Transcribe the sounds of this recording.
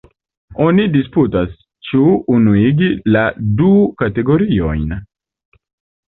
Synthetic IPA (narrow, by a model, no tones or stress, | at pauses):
onidisputas | t͡ʃuːnuiɡiladukate̞ɡo̞ɾio̞jn